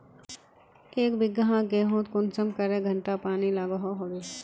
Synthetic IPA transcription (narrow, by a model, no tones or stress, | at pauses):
eːkbɪɡɦãɡeːɦõːt̪kʊnsəmkəɾeɡʱə̃ɳʈapaːnilaːɡaɦoɦoɡeː